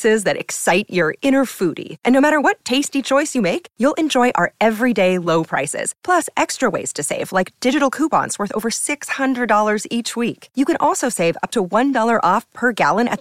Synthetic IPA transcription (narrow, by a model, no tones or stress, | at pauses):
sɪzðɨɾɨ̰ksaɪt͡ʃə˞ɪ̃nə˞fuɾḭʔɨ̃nːoʊmæɾə˞wʌtʰeɪstit͡ʃʰɔɪsjɨmeɪkjulˠʔɨ̃nd͡ʒɔɪʔə̰˞ɛvɹideɪloʊpʰɹ̥a̰ɪsɪ̰z̥pʰl̥ʌsɛkstɹ̥əwḛɪz̥tʰɨseɪv̥laɪk̚d̥ɪd͡ʒɨɾl̩ˠkʰupɑ̰̃ntswəɜ˞θo̰ʊvə˞sɪkshʌ̃ndɹɨdɔlˠə˞zit͡ʃwikjɨkɨ̃nʔɔlˠsoʊseɪvʌ̰p̚tʰəwʌ̃ndɔlˠə˞ʔɔfpʰə˞ɡæ̰lˠə̃nɨ̰t̪